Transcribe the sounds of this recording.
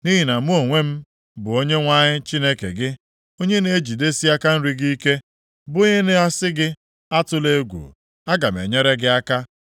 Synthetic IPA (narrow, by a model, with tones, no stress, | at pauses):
ni˦ɦi˨na˨mu˦o˨ŋʷe˦m̩˦ | bʊ˨o˦ɲe˦ŋʷa˦ɲɪ˦t͡ʃi˦ne˦kḛ˨ɡɪ˦ | o˦ɲe˦ne˦e˦d͡ʒi˨de˦si˦a˦ka˦n̩˦ɾi˦ɡi˦i˦ke˦ | bo˦ɲe˦ne˦a˦sɪ˦ɡɪ˦ | a˦tʊ˦le˦ɡʷṵ˨ | a˦ɡa˨m˨ḛ˨ɲe˦ɾe˦ɡɪ˦a˦ka˦